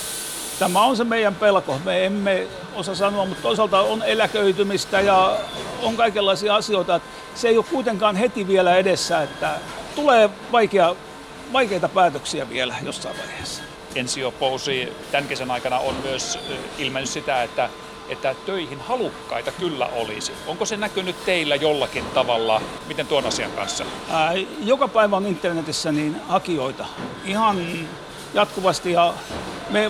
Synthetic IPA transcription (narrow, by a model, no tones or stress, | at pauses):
t̪æmæonsemeijæmpelkomeemːe | osɑsɑnoɑmmut̪toisɑlt̪ɑonelækøyt̪ymist̪æjɑoŋkɑikelːɑisiɑɑsioit̪ɑet̪ | seijokkuit̪eŋkɑːnhet̪iʋielæedesːæːet̪ːæt̪uleː | ʋɑikeɑ | ʋɑikeit̪ɑpæːt̪øksiæʋḭelæjo̰sːɑ̰iʋʋæ̰ihe̥s | ensiopousiːt̪æŋkesænɑikɑnɑonmyøsilmenːyssit̪æet̪ːæ | et̪ːæt̪øihinhɑlukːɑ̰it̪ɑkylːæ̰olḭsioŋkosenækynytt̪eilːæjolːɑkint̪ɑʋɑlːɑ | mit̪ent̪uonɑsiɑ̰ŋkɑ̰nsːɑ̰ | jokɑpæiʋæonint̪ːernet̪isːæniːnhɑkioit̪ɑihɑnː | jɑt̪kuʋɑst̪ijɑ | me